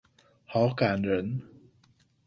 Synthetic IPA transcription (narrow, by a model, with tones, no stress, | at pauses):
hɔ˨˥wkaː˨˩nɹə˨˥n